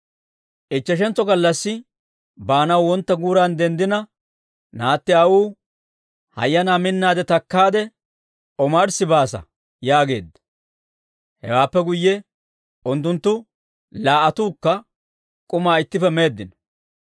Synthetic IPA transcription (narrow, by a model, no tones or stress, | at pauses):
ʔɪt͡ʃːɛʃ̬ɛnt͡sːɔɡɐlːɐsːɪ | baːnɐwwɔnt̪ːɐɡuːɾɐnd̪ɛnd̪ɪnɐ | naːt̪ːɪawuː | hɐ̰jːɐnaːmɪnːaːd̪ɛt̪ɐkːaːd̪ɛ | ʔɔmɐɾsɪbaːsɐ̰ | jaːɡe̞̰ːd̪ːɐ̥ | hɛ̰waːpːɛɡʊjːɛ | ʔʊnt̪ːʊnt̪ːʊ | laːʔɐt̪uːkːɐ | kʼʊmaːɪt̪ːɪfɛme̞ːd̪ːɪnɔ̥